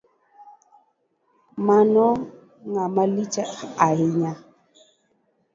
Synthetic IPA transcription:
manɔ | ŋamalit͡ʃɛajiɲa

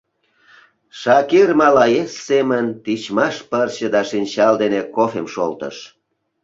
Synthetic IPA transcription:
ʃɑkirmɑlɑjesːemənt̪it͡ɕmɑʃpərt͡ɕəd̪ɑʃinʲt͡ɕɑld̪enekofemʃo̰lt̪ə̰ʃ

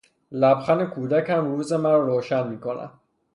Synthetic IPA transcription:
læbxæne̞kʰuːd̪æcʰæmɾuːzemæɾɾoːʃænmiːkʰonæ̰m

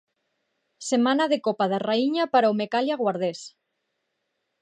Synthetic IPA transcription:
semanaðekopað̞araiɲapaɾaomekaljaɣwaɾð̞es

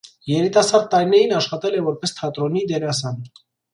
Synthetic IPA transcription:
jɛɾit̪ɑsɑɾd̪̚ːɑɾinɛɾinɑʃχɑt̪ɛlɛvɔɾpɛst̪ʰɑt̪ɾɔnid̪ɛɾɑs̬ɑn

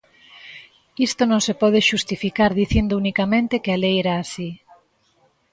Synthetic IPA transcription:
ist̪onõŋsepɔð̞eʃust̪ifikaɾðiθind̪ʊunikamẽnt̪ɪkɪalejeɾaːsi

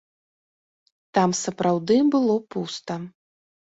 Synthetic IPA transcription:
t̪amsɐpɾawd̪ɨbɨlˠɔpust̪ɐ

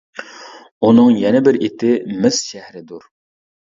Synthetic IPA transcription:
unɨŋjɛnɪbɪɾɪt̪ʰɪmɪz̥ʃæhɾɪd̪uɾ

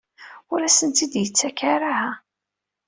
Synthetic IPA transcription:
ʊɾæsənt̪id̪jət͡sːækaɾahæ

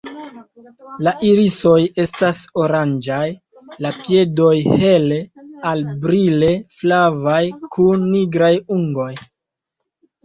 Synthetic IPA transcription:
laʔiɾiso̞je̞staso̞ɾand͡ʒaj | lapje̞do̞jhe̞lealbɾile̞flavajkʰunːiɡɾajuŋɡo̞j

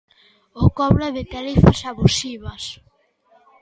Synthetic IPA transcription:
okɔβɾaðɪt̪aɾifɐsaβusiβɐs

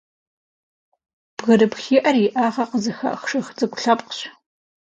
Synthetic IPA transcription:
b̥ɣɐɾɨpxiːʔɐrɪʔaːʁɐqəzɨxɐ̰ʔxʂɨxt͡sʼɨkʷʊɬɐpʼqəɕ

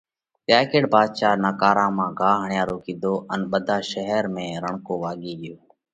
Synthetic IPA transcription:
tjaːkeːɽbaːd̪ʃaːnaːkaːɾãːmãːɡaːɦəɳɪjaːɾoːkĩːd̪ʱoːʔənɓəd̪ʱaːʃəɦɛɾmẽːɾəɳkoːʋaːɠiːɠɪjoː

